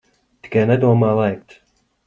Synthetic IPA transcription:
t̪i̥kænɛd̪uɔmaːlˠajk̚t̪

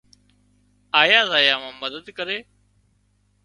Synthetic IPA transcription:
aːjaːzaːjãːʋãːməd̪əd̪kəɾeː

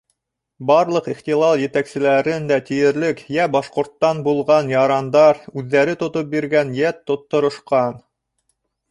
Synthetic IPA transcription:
bɑɾlˠɤqiχt̪ilˠɑlˠjɘ̆t̪æksɘ̆læɾɘnd̪æt̪ĭjɘ̆ɾlɘkjæbɑʃqŏɾt̪ːɑnbulˠʁɑnjɑɾɑnd̪ɑɾʉðːæɾɘt̪ŏt̪op̚biɾɡænjæt̪ːŏt̪ːŏɾŏʃqɑn

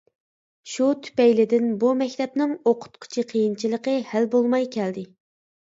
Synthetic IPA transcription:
ʃut̪ʰy̥pɛjlɪd̪ɪnbumɛkʲt̪ʰɛp̚nɪŋoqʰʊ̥t̪̚qʰʊ̥t͡ʃʰiqʰəjint͡ʃʰilˠəqəhælbolˠmɑjkʲʰɛld̪ɪ

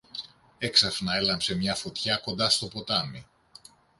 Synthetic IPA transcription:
e̞ksɐfnɐe̞lɐmpse̞mɲɐfo̞t̪çɐko̞nd̪ɐst̪o̞po̞t̪ɐmi

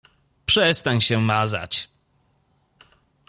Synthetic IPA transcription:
pʂɛst̪aɲɕɛmaza̰t͡ɕ

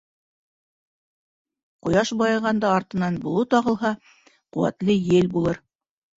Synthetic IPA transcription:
qŏjɑʃbɑjɑ̆ʁɑnd̪ɑːɾt̪ɤ̆nɑnbulˠɤt̪ɑʁɤ̆lˠɦɑ | qŭwæ̰t̪lɘjɘlbulˠɤɾ

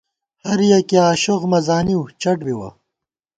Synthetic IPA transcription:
hɐɾjɐkiaːʃoɣmɐzaːniwt͡ʃɐʈbiwɐ̰

